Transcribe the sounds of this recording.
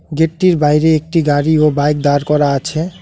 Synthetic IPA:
ɡeʈːiɾbajɾeek̚ʈiɡaɾiobajk̚d̪aɾkɔɾaat͡ɕʰe

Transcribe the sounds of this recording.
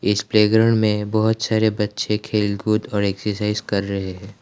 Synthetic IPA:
ɪspleːɡɾəɽmẽbɐɦʊt̪saːɾebɐtːʃʰekʰeːlɡud̪ɔːɾeːksəɾsaːɪzkɐɾːɐɦeɦɛ̃ː

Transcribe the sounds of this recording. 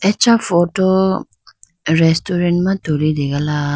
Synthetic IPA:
ɛt͡ʃafoto | ɾɛstoɾɛ̃ntmãtolideɡala

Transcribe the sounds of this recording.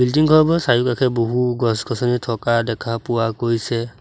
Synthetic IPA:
bildiŋkʰɔbɔsajukakʰɛboɦuɡɔskɔsɔnitʰɔkadɛkʰapuwakojsɛ

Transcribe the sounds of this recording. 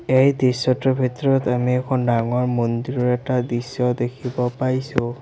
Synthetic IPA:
ejdisɔtɔbʱitɔɹɔtamiɛkʰɔndaŋɔɹmondiɹɔɹɛtadisːɔdekʰibɔpaɹisʊ

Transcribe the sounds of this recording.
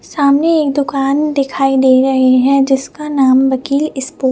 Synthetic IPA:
saːmneeːkd̪ʊkaːnd̪ɪkʰaːid̪eːɾɐɦeɦɛ̃d͡ʒɪskanaːmʋɐkiːlɪspoː

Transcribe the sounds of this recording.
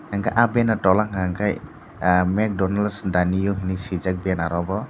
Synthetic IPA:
aŋkaʔabɛnatɔlaŋaŋkaj | mɛk̚dɔnalsdanijɔɦinisizak̚bɛanaɾɔbɔ

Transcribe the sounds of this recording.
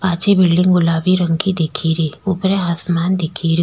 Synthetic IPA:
paːt͡ʃebɪlɖɪ̃ŋɡɡʊlaːbiɾə̃ŋkid̪ekʰiːɾiːʊpɾeɦasmaːnd̪ɪkʰiːɾi

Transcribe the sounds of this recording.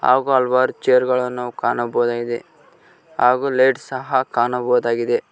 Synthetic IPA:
a̰ːɡuɐlʋaːɾut͡ʃejɐɾɡɐɭɐnːukaːnɐbɔːd̪aːɡid̪e | ɦaːɡulejɖsɐɦɐkaːnɐbɔːd̪aːɡid̪e

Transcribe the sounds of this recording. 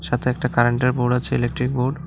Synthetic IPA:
ʃat̪ʰeɛk̚ʈakaɾeɳʈeɾboɾɖat͡ɕʰeelek̚ʈɾik̚boɾɖ

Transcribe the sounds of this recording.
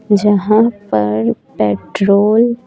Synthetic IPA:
d͡ʒɐɦãpɐɾpeːʈɾoːl

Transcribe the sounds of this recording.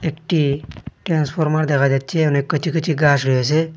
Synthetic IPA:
ekʈiʈɾaːnspʰoɾmaɾd̪ekʰad͡ʒaːd̪̚t͡ʃʰenekːət͡ʃʰikət͡ʃʰiɡaːsɾiɦes̬e

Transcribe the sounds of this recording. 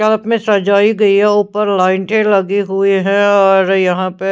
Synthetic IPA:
ɐləpmẽsɐd͡ʒaːiɡɐiɦɛʊːpəɾlaːɪɳʈẽlɐɡiɦueɦɛ̃ɔːɾjɐɦãpe

